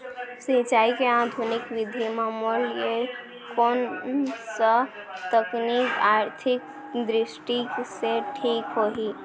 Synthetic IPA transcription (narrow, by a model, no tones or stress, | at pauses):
sĩt͡ʃaːikead̪ʱunikʋid̪ʱimamolje | konsə | t̪əknikaːɾt̪ʰɪk̚ | d̪ɾɪsʈiseʈʰiːkɦoɦi